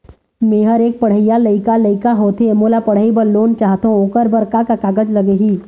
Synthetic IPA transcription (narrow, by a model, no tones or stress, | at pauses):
mẽːɦəɾeːk̚pɐɽ̤əijaləɪkaləɪkaɦoːt̪emoːlapɐɽ̤əibəɾloːnt͡ʃaːɦt̪ooːkəɾbəɾkakakaːɡəd͡ʒlɐɡeɦiː